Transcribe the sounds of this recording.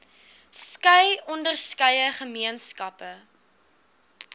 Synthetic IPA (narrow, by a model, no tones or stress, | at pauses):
skɐjɔndərskɐjəχəmiənskɐpə